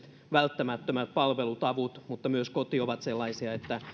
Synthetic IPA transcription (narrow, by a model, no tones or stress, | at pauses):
t̪ | ʋælt̪ːæmæt̪ːømæt̪̚pɑlʋelut̪ɑʋut̪mut̪ːɑmyøskot̪ioʋɑt̪selːɑisiɑet̪ːæ